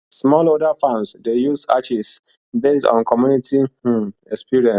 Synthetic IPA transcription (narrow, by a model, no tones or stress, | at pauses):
smɔlodafãnsdejusa̰t͡ʃis | bestɔ̰̃nkʰɔmjunitiɛkspiɹiɛ̃s